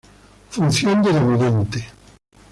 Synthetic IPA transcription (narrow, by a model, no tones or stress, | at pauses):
funsjond̪elamuðent̪e